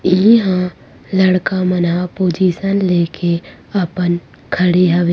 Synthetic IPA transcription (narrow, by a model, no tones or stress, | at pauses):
iɦã | lɐɽkamɐnapoːd͡ʒiːsənleːkʰe | ɐpən | kʰəɽeɦɐʋeː